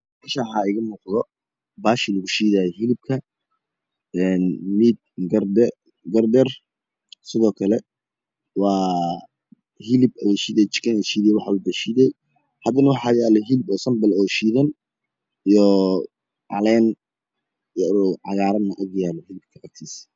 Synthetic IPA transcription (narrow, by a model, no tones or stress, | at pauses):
mɛʃaħaːɪɣɐmuːqðɔ | baːʃɪlɐɣʊʃiːðajɛɦɪlɪb̚kʰɐ | ɛːnmiːd̪̚ɡrdɛ | ɡɐrd̪ɛr | sɪðɔːkʰɐlɛ | wɑː | hɪlɪbɐjɛʃiːðɛt͡ʃɪ̥kʰɐnɛʃiːðijɛwɑħɑubɐʃiːðɛj | hɐd̪ɐnɐwɑħɑːjɛːlɔɦɪlɪbɔːsɐmbɛlɔːʃiːðɐn | ijɔ | ʕɑ̰lɛːn | ɾʕɑjaːɾɐnɐʔɐɡjaːlɔɦɪlɪb̚kʰɐʔɐk̚t̪ʰis